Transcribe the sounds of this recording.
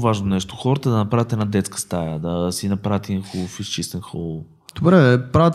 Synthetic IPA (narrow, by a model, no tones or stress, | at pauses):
vaʒnonɛʃt̪o̥xɔɾət̪əd̪ɐnɐpɾavʲjət̪ɛd̪nad̪ɛt̪skə̥st̪ajəd̪ɐsinɐpɾavət̪ɛinxofist͡ʃist̪ɛnxɔlˠf | d̪̥obɾɛpɾavət̪